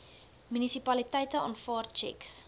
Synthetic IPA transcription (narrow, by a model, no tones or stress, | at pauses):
mynisipɐlitəjtəɑ̰ːnfɑːrt͡ʃɛ̰ks